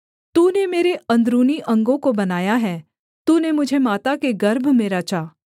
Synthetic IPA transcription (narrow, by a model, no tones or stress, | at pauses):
t̪uːnemeːɾeɐ̃nd̪ɾuːniʔɐ̃ŋɡõkobɐnaːjaɦɛː | t̪uːnemʊd͡ʒʱemaːt̪akeɡɐɾbʱmẽɾɐt͡ʃaː